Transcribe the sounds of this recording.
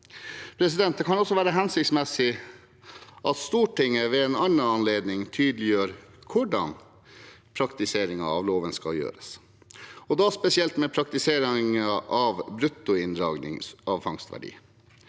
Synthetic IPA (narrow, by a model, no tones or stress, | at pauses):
pʰɾɛsɪd̪ɛnt̪̚d̪ɛkʰɑnɔsːɔʋæːɾəɦɛnsɪkt̪smɛsɪ | ʔɑt̪st̪uːʈɪŋːəʋɛɛnɑnɑɑnleːd̪nɪŋt̪ʰyːd̪lɪjøːɾkʰʊɖɑ̰n | pʰɾɑkt̪ɪseːɾɪŋɑ̰ɑ̰ʋloːʋənskɑ̰ljø̰ːɾəs | ɔd̪ɑspɛsɪɛlt̪mɛpʰɾɑk̚t̪ɪseːɾɪŋəʔɑʋbɾʉt̪ːʊɪnd̪ɾɑːɡnɪ̰ŋɑʋfɑŋst̪ʋæ̰ɖḭː